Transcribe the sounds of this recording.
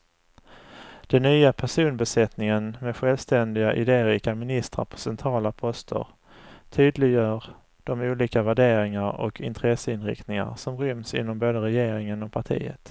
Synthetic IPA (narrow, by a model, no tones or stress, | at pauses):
d̪̥ɛnːyːapʰæʂuːnbɛsɛt̪nɪŋənmɛɧɛlvst̪ɛnd̪ɪɡaʔɪd̪eːɾiːkamɪnɪst̪ɾa̰ɾpʰɔ̥sɛnt̪ʰɾɑːlapʰɔst̪ʰə̰ɾ | t̪ʰyːd̪lɪɡjœːɾ | d̪̥ɔmuːliːkavæɖeːɾɪŋaɾɔ̰kʰɪ̰nt̪ʰɾɛsəɪnɾɪ̰kt̪nɪŋa̰ɾsɔmɾʏmsɪ̰nːɔmboːd̪əɾɛjeːɾɪŋənɔk̚pʰaʈʰḭːə̰t̪